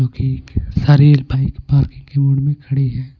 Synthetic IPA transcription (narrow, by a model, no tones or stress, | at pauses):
d͡ʒõːkisaːɾiːlbʱaːikpaːɾkɪ̃ŋkemʊ̃ːɽɖmẽkʰɐɽiɦɛː